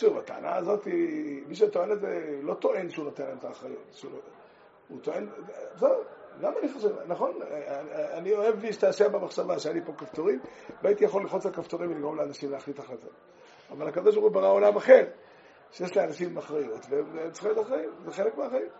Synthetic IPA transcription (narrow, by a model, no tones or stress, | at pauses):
ʃuvat̪a̰ːna̰ːzo̞t̪imiʃ̬et̪oe̞nletzelo̞t̪o̞ʔe̞nʃeuno̞t̪enlaemt̪aːχʁajṵt̪ʃulo | ut̪oe̞nzeɡamaniχaʃevnaχo̞n | anio̞e̞vmiʃe̥t̪aaʃebamaχʃavaʃeanipo̞kaft̪oʁimloait̪ijaχo̞liχot͡sakaft̪oʁimvliɡʁomleanaʃimleaχlit̪aχlat̪ot | avalhakad̪o̞ʃ̬baʁχubaʁao̞lamaχe̞ʁ | ʃejeʃlianaʃimaχʁajot̪vevemt͡si̥χiot̪aχʁajimzeχelekmeaχajim